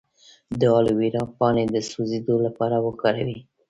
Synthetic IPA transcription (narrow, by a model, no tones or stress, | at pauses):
d̪əɑlowiɾɑpɑned̪əsuzed̪olapɑɾawəkɑɾa̰wi